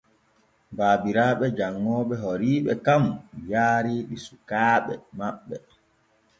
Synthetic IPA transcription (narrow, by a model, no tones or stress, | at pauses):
baːbiɾaːɓɛd͡ʒaŋːɔːɓɛɦɔɾiːɓɛkamjaːɾiːɗisukaːɓɛ̰maɓːɛ